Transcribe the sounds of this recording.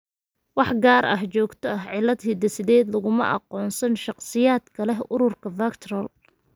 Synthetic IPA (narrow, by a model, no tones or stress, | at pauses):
wɑħɡaːɾʔɐ̰ɦt͡ʃɔːɡt̪ʰɔɐɦʕɪlːɐd̪hɪd̪ɐsɪðɛːd̪lɐɣʊmɐ̰ʔɑ̰qɔːnsɐnʃɑqsɪjaːd̪kʰɐlɛɦʊɾʊrkʰɐfaːkt̪ʰrɐl